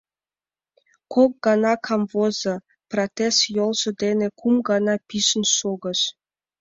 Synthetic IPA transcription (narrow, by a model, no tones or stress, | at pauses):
kok̚ɡɑnɑkʰɑmvozɤ̆ | prot̪esjolˠʒɤ̆d̪enĕkʰumɡɑnɑpʲiʃə̆nʃoɡɤ̆ʃ